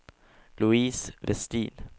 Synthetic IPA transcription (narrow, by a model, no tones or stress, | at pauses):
luiːsʋɛst̪ḭːn